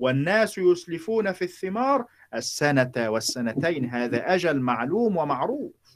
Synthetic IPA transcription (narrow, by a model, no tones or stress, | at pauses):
wanːaːsjʊslɪfuːnafiθːɪmɑːɾˤ | ʔasːanawasːanat̪ajnɦaːðaːʔad͡ʒalmaʕluːmwamaʕɾuːf